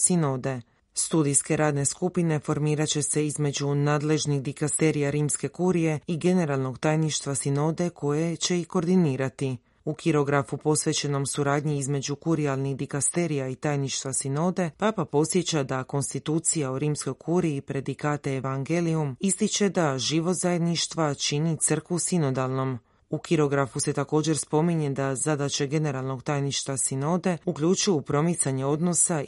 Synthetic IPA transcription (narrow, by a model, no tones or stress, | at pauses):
sino̞ːd̪e̞ | st̪ud̪ijske̞ɾaːd̪ne̞skupine̞fo̞ɾmiːɾat͡ɕe̞se̞izme̞d͡ʒunaːd̪le̞ʒnixd̪ikast̪e̞ɾijaɾiːmske̞kuɾije̞iɡe̞ne̞ɾalˠno̞ɡt̪aːjniʃt̪ʋasino̞d̪e̞kʰo̞je̞t͡ɕe̞iko̞ɾd̪iniːɾat̪i | ukʰiɾo̞ɡɾafupo̞sʋe̞t͡ɕe̞no̞msuɾaːd̪ɲiizme̞ukuɾialˠnixd̪ikast̪e̞ɾijait̪aːjniʃt̪ʋasino̞d̪e̞paːpapo̞t̪sje̞t͡ɕad̪ako̞nst̪it̪uːt̪sijauɾiːmsko̞jkʰuɾiːpɾe̞d̪ikaːt̪eːʋaŋɡe̞liumist̪it͡ʃe̞d̪aʒiʋo̞zaje̞d̪niʃt̪ʋat͡ʃinit̪sr̩kʋusino̞d̪alˠno̞m | ukiɾo̞ɡɾafuse̞t̪ako̞ːd͡ʒe̞ɾspo̞miɲe̞d̪azad̪at͡ʃeɡe̞ne̞ɾalˠno̞ɡt̪aːjniʃt̪ʋasino̞ːd̪e̞ukʎut͡ʃujɛupɾo̞mit̪saɲe̞o̞d̪no̞sa